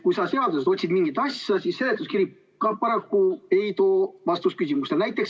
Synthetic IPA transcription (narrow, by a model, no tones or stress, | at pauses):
kujsɑse̞ɑd̪used̪o̞t̪ʲsʲid̪̥miŋɡ̥it̪ɑsʲɑsisːelet̪ːˑuskiɾip | kɑpɑɾɑkːue̞jt̪o̞ːvɑst̪uskysimust̪e̞lnæjt̪ːˑe̞ks